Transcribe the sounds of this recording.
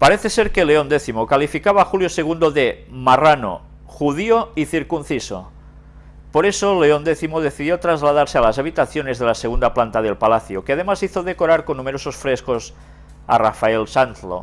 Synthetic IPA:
paɾeθeseɾkeleond̪eθimokalifikaβaːxuljoseɣ̞und̪oðemarano̰ | xuð̞ioiθiɾkun̟θiso̰ | poɾesoleond̪eθimoð̞eθiðjot̪ɾazlaðaɾsealazaβ̞it̪aθjone̞zðelaseɣund̪aplant̪að̞elpalaθjokeað̞emasiθoðekoɾaɾkonːumeɾososfɾeskos | a̰rafaelsant̪lo̰

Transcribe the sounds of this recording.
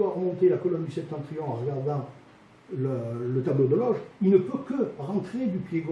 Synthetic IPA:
waʁəmɔ̃t̪elakɔlɔnd̪ysɛ̃p̚t̪ɑ̃t̪χiɔ̃ɑ̃ʁəɡaʁd̪ɑ̃ | lələt̪ablod̪əlɔʒilnəpøkəʁɑ̃t̪χed̪ypleɡ

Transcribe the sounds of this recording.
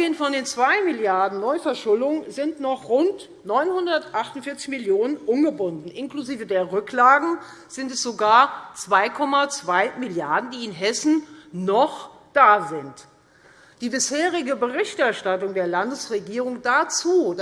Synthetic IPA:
eːənfɔndeːnt͡sv̥aɪmɪljaɐdn̩nɔʏfɛɐʃʊlʊŋzɪntnɔχʁʊnt | nɔʏnhʊndɐtʔaχtʊntfɪɐt͡sɪçmɪljoːnənʔʊmɡəbʊndn̩ʔɪnkluziːvədeːɐʁʏklaːɡŋ̩ | z̥ɪntɛsz̥oɡaːɐt͡sv̥aɪkʰɔmat͡sv̥aɪmɪljaɐdn̩diːɪnɦɛsn̩nɔχd̥aːzɪnt | d̥iːbɪsheːʁɪɡəbəʁɪçtʔɛɐʃtatʊŋdeːɐlandəsʁeɡiːʁ̞ʊŋd̥at͡suː

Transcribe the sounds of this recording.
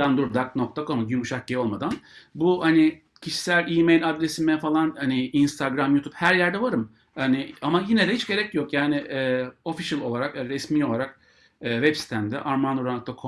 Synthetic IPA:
and̪uɾd̪ak̚nok̚t̪ʰakʰomɟymuʃahio̞lˠmad̪anbuhanɪ | cʰiʃi̥sælʲimejlʲad̪ɾesimɛfalˠanhaniinst̪ʰaɡɾamjut̪ʰu̥phæɾjæɾd̪ɛvaɾɯm | hanɪamajinɛd̪ɛhit͡ʃɟe̞ɾɛcjo̞kjaːnɪɛːo̞fiʃlʲˠo̞lˠaɾakɾɛsmiːo̞lˠaɾak̚ː | vɛpsi̥t̪ʰæmd̪ɛ̰ʔaɾmanoɾanɯkt̪akʰo

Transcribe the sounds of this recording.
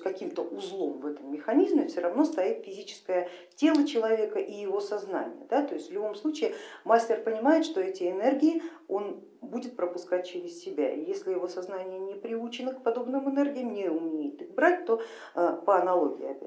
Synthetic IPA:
kɐkʲimt̪əʔʊzlˠo̞mvɛt̪əmːʲɪxɐnʲizmʲəfsʲoɾɐvno̞st̪ɐjit̪fʲɪzʲit͡ɕɪ̥skəjətʲe̞lˠət͡ɕɪlˠɐvʲe̞kəʔijɪvo̞sɐzna̰nʲɪ̰jəd̪at̪o̞ɪsʲtʲvlʲʊbo̞mslˠut͡ɕɪɪmasʲtʲɪrpənʲɪmajɪt̪ʂt̪o̞ɛtʲɪɪnɛrɡʲɪɪo̞n | budʲɪt̪̚pɾəpʊskat̚ʲt͡ɕɪɾʲɪssʲɪbʲa̰ijesʲlʲɪjɪvo̞sɐznanʲɪjənʲɪpɾʲɪut͡ɕɪnəkpɐd̪o̞bnɨmɨnɛrɡʲɪjəmnʲɪʊmʲejɪt̪ɨxbɾat̚ʲt̪o̞ | əpəɐnɐlˠo̞ɡʲɪɪɐ̰bʲɛ̰

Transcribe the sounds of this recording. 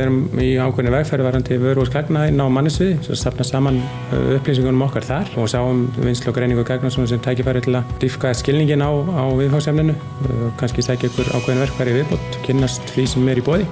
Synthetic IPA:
ɛɾʏmiaːwkʰɛɾnvɛrkfɛɾvaɾant̪ʰɪvœːɾɔwskʰaknaɪnːawmanːɪsvɪðɪsasapnasaːman̰ | ʏhplisiŋkʏnʏmɔhkaɾ̥θaɾ̥ɔɣsawʏmvɪnslɔwkɾejniŋkʏkʰaknasɔnsɛmt̪ʰaːjcɪfajɾɪt̪ʰɪlat̪ifkascɪlniŋcɪnawawvɪðfawsɛpnɪnːʏ | kʰanscɪsaːjcɛhkʏɾa̰ːwkʰɛðnvɛr̥kfajɾɪivɪðpowt̪cʰɪnːast̪fisɛmːɛːɾipɔːðɪ

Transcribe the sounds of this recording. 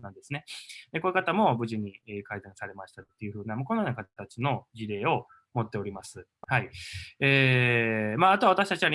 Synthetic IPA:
nãnd̪e̞sɨne̞d̪ekoekat̪amo̞bɯ̟ʑiɲ̟iekaid̪ãɰ̃saɾe̞maɕi̥t̪at̪ːejɯ̟ɸɯ̟ːnamokonanakat̪at͡sino̞d͡ʑiɾe̞ːo̞ | mo̞t̪ːe̞o̞ɾʲimasɨhaieː | maːat̪oaβat̪aɕi̥t̪ḁt͡ɕiβaɲ

